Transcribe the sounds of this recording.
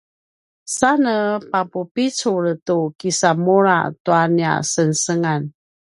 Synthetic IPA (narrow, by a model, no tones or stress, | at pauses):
sanəpapupit͡suɭtukisamuɾa̰tuania̰sənsəŋan